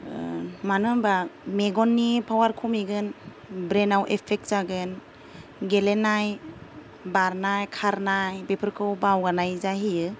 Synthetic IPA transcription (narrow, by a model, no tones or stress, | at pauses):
manɯmbameɡɔnːipʰawaɾkʰumiɡɯn | bɾenawʔepʰek̚z̥aɡɯn | ɡelenaj | baɾnajkʰaɾnajbepʰɯɾkʰɯwbawɡanajzaɦijɯ